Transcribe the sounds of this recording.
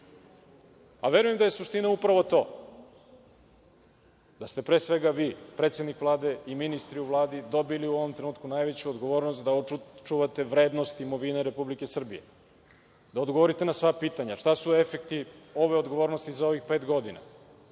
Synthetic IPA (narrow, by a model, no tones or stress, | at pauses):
a̰ʋe̞ɾuje̞md̪aje̞suʃt̪inaupɾaʋo̞t̪o̞̰ː | d̪̥ast̪e̞pɾe̞ːsʋe̞ɡaʋiːpɾet̪sed̪nikʋlˠaːd̪e̞iminist̪ɾiuʋlˠaːd̪id̪o̞biliuo̞ʋomt̪ɾenuːt̪kunajʋet͡ɕuod̪ɡo̞ʋoːɾnost̪d̪aot͡ʃuʋat̪e̞ʋɾe̞ːd̪nost̪imoʋineɾe̞publike̞sr̩bḭje̞̰ | d̪aod̪ɡoʋoɾit̪e̞nasʋapiːt̪aɲaʂt̪asue̞fekt̪io̞ʋe̞od̪ɡo̞ʋoɾno̞st̪izao̞ʋixpe̞ːt̪ɡo̞d̪ina̰